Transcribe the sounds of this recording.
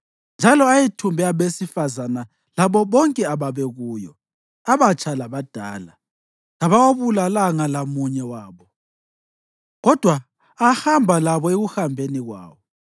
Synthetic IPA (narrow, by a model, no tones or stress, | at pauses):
nd͡ʒʱalɔajitʰumbʱɛaβesifazana | laβɔβɔŋkʼɛaβaβɛɣuːjɔ̰ | aβat͡ʃʰʼalaβad̥ʱa̰ːla̰ | laβawoβulalaŋalamuɲɛwaːβɔ | ɣɔd̥ʱwaː | hambʱalaβɔeɣuhambʱeniɣwa̰ːβɔ